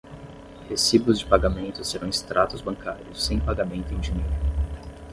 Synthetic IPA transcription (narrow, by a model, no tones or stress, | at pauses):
hesibʊzd͡ʒɪpaɡamẽnt̪ʊseɾɐ̃w̃ɪst̪ɾʔat̪ʊzbɐ̃ŋkʰaɾjʊsːẽj̃paɡamẽnt̪ʊẽj̃d͡ʒiɲejɾʊ